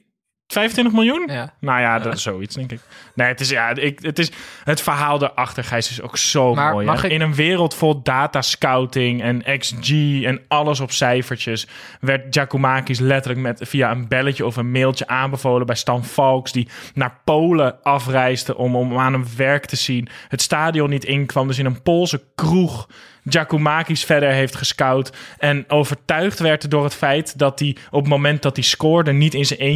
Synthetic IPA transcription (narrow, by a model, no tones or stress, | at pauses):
fɛjvəntʋɪntəxmɪlˠjunnajadsowitstɪŋkɪkneːətɪsjaɪkətɪsətfəɹɦaːlˠdəʔɑxtəɹxɛjsɪso̰ksoːoːjɪnənʋɪːrəlˠtfolˠdaːtaskawtɪŋɛnɛksd͡ʒiɛnɑlˠəs̬ɔpsɛjfəɹt͡ʃjəs | ʋɛɹt̚d͡ʒakumaːkis̬lɛtələkmɛtfiaənbɛləcəɔfənmɪːlˠtjəʔaːnbəvoːlˠəbɛjstɑnfɔlˠksdinaːɹpowləɑfrɛjsdəʔɔmaːnənʋɛɹktʰəzinhətstaːdijɔnːitɪnkʋɑmdɵs̬ɪnənpolˠsəkruχ | d͡ʒakumaːkisfɛdəɹɦejftχəskɑwtɛnowvəɹtœɥχtʋɛɹtdʊːɹɦətfɛjtdɑt̚diɔpmomɛnt̚dɑt̚diskʊːɹdənitɪnzəne